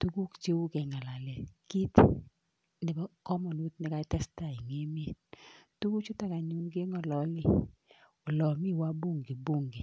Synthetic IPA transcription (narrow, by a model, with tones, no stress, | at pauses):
tu˦ɡu˦kt͡ʃe˦wu˦kɛ˨ŋa˨la˨lɛ˨ki˦t | nɪ˨bɔ˦kɔ˦mɔ˨nu˦t̚nɪ˦ka˦tɛ˦sta˦˨i˨ŋe˦m˦e˨tu˦ku˦t͡ʃʊ˦ta˦˨ka˨ɲu˨nɡe˦ŋɔ˨lɔ˨lɪ˦˨ | o˨lɔ˨mi˦˨wa˦bo˦˨ŋɡi˨bo˦˨ŋɡi˨